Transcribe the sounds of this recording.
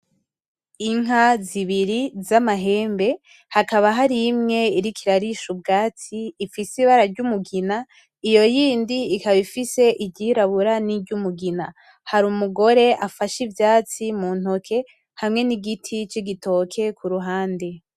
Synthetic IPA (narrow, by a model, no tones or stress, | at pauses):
iŋɦaziβiɾizamaɦe̞ːmbe̞ | hakaβaɦaɾimŋe̞iɾikʰiɾaɾiʃub̚ɡaːt͡siːfisiβaɾaɾɟumuɡina | ijo̞jiːndiːkaβifise̞ʔiɟiɾaβuɾaniɟumuɡina | haɾumuɡo̞ɾe̞ʔafaʃivjaːt͡simuːn̥hokʰe̞ | hamŋe̞niɡitʰit͡ʃiɡito̞kʰe̞kuɾuɦaːnde̞